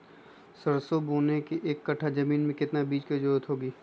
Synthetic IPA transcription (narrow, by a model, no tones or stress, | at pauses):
sɐɾsobuːnekiʔeːkːɐʈʰad͡ʒɐmiːnmẽkɪt̪nabiːt͡ʃked͡ʒɐɾuːət̪ɦoːɡiː